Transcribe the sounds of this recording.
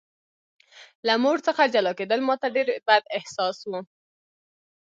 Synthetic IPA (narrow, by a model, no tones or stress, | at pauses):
lamoɽt͡səxad͡ʒalɑked̪əlmɑt̪aɖeɾbad̪ɪhsɑswu